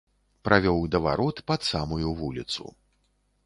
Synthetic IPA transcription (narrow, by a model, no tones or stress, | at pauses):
pɾʔavʲɔwd̪ɐva̰ɾɔt̪pat̪samujuvulʲit̪sṵ